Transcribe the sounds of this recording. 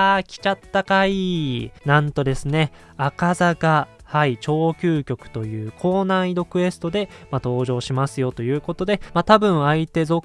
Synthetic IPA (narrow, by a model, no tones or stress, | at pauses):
aːkʲi̥t͡ɕat̪ːakainãnt̪o̞d̪e̞sɨne̞ | akazaɡa | hait͡ɕo̞ːkʲɨːkʲo̞kɯ̟̥t̪o̞jɯ̟ːkʰo̞ːnaiɾo̞kɯ̟e̞sɨ̥t̪o̞d̪e̞mat̪o̞ːʑo̞ːɕimasɨjo̞t̪o̞jɯ̟ːko̞t̪o̞d̪e̞mat̪abɯ̟̃ɰ̃ait̪e̞zo̞